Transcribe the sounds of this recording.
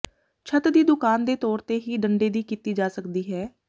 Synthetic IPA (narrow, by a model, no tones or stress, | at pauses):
t͡ʃʰət̪d̪iːd̪ʊkaːnd̪eːt̪ɔːɾt̪eːɦiːɖəɳɖeːd̪iːkiːt̪iːd͡ʒaːsəkd̪iːɦɛː